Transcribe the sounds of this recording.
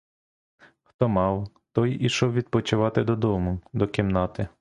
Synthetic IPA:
xt̪ɔmɑw | t̪ɔjiʃɔwʋʲid̪̚pɔt͡ʃʊʋɑt̪ɪd̪ɔd̪ɔmʊd̪ɔkʲimnɑt̪ɪ

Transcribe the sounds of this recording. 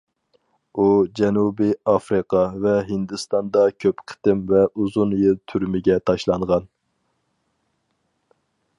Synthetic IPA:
ud͡ʒɛnubiɑfɾɨqʰɑvɛɦɪnd̪ɨst̪ɑnd̪ɑkʲʰøpqʰə̥t̪ɪmvɛʔuzunjɪlt̪ʰyɾmɪɡʲɛt̪ʰɑʃlˠɑɴʁɑn

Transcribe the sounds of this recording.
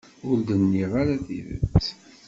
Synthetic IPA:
ʊɾd̪ənːiʁaɾaθḭvə̰t͡s

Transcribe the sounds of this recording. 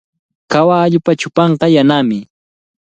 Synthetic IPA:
kawaːʎʊpat͡ʃʊpɑɴqɑjanaːmɪ

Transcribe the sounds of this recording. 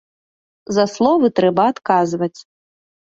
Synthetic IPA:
zɐslˠɔvɨt̪ɾɛbɐːt̪kazvɐt͡sʲ

